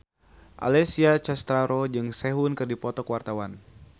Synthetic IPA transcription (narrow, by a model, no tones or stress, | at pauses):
ʔa̰lɛsiat͡ʃast̪ɾaɾɔd͡ʒɨŋsɛɦunkɨrdipɔt̪ɔkwart̪awan